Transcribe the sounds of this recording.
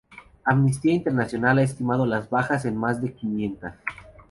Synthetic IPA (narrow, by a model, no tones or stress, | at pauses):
amnis̬t̪iaint̪eɾnasjo̞nalaest̪imað̞olazβaxase̞nmazðe̞kinje̞nt̪as